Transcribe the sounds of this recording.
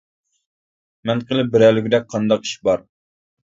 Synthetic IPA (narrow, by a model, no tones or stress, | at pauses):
mɛnqəlˠɪbɪɾɛlɪɡʲid̪ɛk̚ʲqʰɑnd̪ɑqi̥ʃbɑɾ